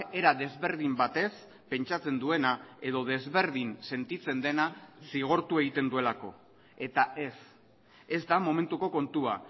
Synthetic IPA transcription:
e̞ɾaðe̞zβe̞ɾð̞imbat̪e̞s | pe̞nt͡ʃat͡se̞nd̪ue̞nae̞ðo̞ð̞e̞zβe̞ɾðinse̞nt̪it͡se̞nd̪e̞nasiɣ̞o̞ɾt̪ue̞ɣ̞it̪e̞nd̪ue̞lako̞̰ | e̞t̪aʔe̞s | e̞zd̪amo̞me̞nt̪uko̞ko̞nt̪ua

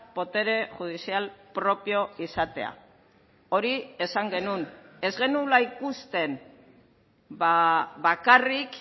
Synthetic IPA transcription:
po̞t̪e̞ɾe̞ʝuð̞isialpɾo̞pio̞isat̪e̞̰a̰ | o̞ɾie̞saŋɡe̞nune̞zɣe̞nulaikust̪e̞n | baβakarik

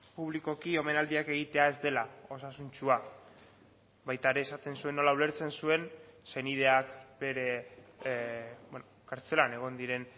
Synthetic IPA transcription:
puβliko̞kio̞me̞nald̪iake̞ɣ̞it̪e̞ae̞zd̪e̞lao̞sasunt͡ʃua | bajt̪aeɾe̞ːsat̪e̞nsue̞nːo̞laule̞ɾt͡se̞nsue̞nse̞nið̞e̞akbe̞ɾe̞ | benokaɾt͡se̞lane̞ɣ̞o̞nd̪iɾe̞n

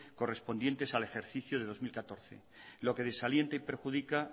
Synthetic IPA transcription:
ko̞re̞spo̞nd̪je̞nt̪e̞sale̞xe̞ɾθiθjoð̞e̞ð̞o̞zmilkat̪o̞ɾθe̞̰ | lo̞ke̞ð̞e̞salje̞nt̪aipe̞ɾxuðika

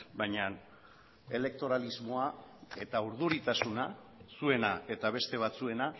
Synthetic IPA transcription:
bajɲan | e̞le̞k̚t̪o̞ɾalizmo̞ae̞t̪auɾð̞uɾit̪asuna | sue̞nae̞t̪aβ̞e̞st̪e̞β̞at͡sue̞na

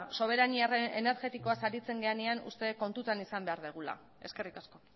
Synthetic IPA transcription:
so̞β̞e̞ɾaniareene̞ɾɣe̞t̪iko̞asaɾit͡se̞ŋɡe̞aneanṵst̪e̞ko̞nt̪ut̪anisambe̞aɾðeɣ̞ula̰ | e̞ske̞rikasko̞

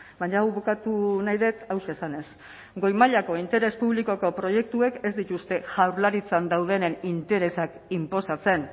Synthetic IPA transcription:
baɲawβukat̪unajðe̞t̪awʃe̞ːsane̞s | ɡo̞jmaʎako̞int̪e̞ɾe̞spuβ̞liko̞ko̞pɾo̞je̞k̚t̪ue̞ke̞zd̪it̪ust̪e̞ʝawɾlaɾit͡sand̪awð̞e̞ne̞nint̪e̞ɾe̞sak | impo̞sat͡se̞n

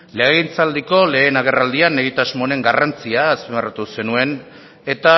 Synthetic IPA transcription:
leaɣint͡sald̪iko̞le̞ːnaɣe̞rald̪iane̞ɣ̞it̪azmo̞ne̞ŋɡarant͡siaːspemerat̪use̞nue̞n | e̞t̪a

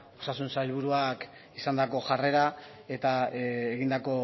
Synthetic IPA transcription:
o̞sasunsajlβ̞uɾuak | isand̪ako̞ʝare̞ɾa | e̞t̪aeɣind̪ako̞

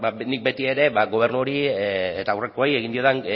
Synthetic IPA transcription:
banik̚be̞t̪ieɾe̞baɣo̞β̞e̞rnuoɾiet̪aːwre̞koaje̞ɣind̪io̞ðeŋ

